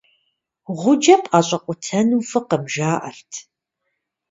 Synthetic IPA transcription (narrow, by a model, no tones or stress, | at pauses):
ʁʷʊd͡ʒɐpʼaːɕʼɐqʷʼʊtʰɐnuːfɨqəmʒaːʔɐrtʰ